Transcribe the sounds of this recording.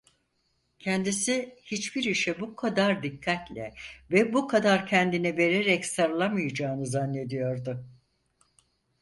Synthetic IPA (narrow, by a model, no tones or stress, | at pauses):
cʰɛnd̪isihit͡ʃbiɾiʃɛbukʰad̪aɾd̪ikʰːat̪lʲɛ̰vɛbukʰad̪aɾcʰɛnd̪inɛve̞ɾeɾɛcsaɾlˠamɯjad͡ʒaːnɯzanːe̞d̪ijo̞ɾd̪ʊ